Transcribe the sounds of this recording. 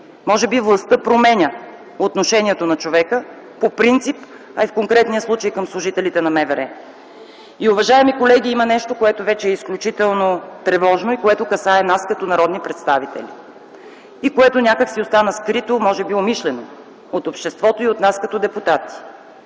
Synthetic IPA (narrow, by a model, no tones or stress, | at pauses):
mɔʒɛbivlˠɐst̪ɤpɾomɛnʲə | ot̪noʃɛnʲiɛt̪onɐt͡ʃovɛkə | popɾint̪sip | ɐifkoŋkɾɛt̪nijəslˠut͡ʃəjkəmslˠʊʒit̪ɛlit̪ɛnɐmɛvɛɾɛ | iʊvɐʒaɛmikolɛɡ̟iimɐnɛʃt̪okoɛt̪ovɛt͡ʃɛːisklʲut͡ʃit̪ɛlˠnot̪ɾɛvɔʒnoikoɛt̪okɐsaɛnaskɐt̪onɐɾɔd̪nipɾɛt̪st̪avit̪ɛ̰lʲḭ | ikoɛt̪onʲakəksiost̪anəskɾit̪omɔʒɛbiomiʃlɛno | ot̪opʃt̪ɛst̪vɔt̪oiot̪naskɐt̪od̪ɛput̪at̪i̥